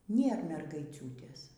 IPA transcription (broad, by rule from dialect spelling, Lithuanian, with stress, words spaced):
ˈnʲeːr mʲɛrɡɐɪˈt͡sʲuːtʲeːs